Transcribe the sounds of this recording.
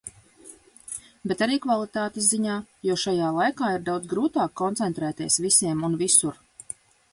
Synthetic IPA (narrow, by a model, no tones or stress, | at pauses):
bɛt̪aɾiːkvalˠit̪aːt̪izziɲaːjɔʃajaːlˠajkaːiɾd̪awd̪zɡɾuːt̪aːkːɔnt̪sɛnt̪ɾɛːt̪iɛsvisʲiɛmunvisuɾ